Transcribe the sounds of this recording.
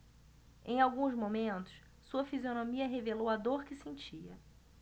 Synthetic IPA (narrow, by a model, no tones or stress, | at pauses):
ẽj̃awɡũzmomẽnt̪ʊ̥s | suɐfizionomiɐɦevelowɐd̪oɾkɪsẽt͡ʃiɐ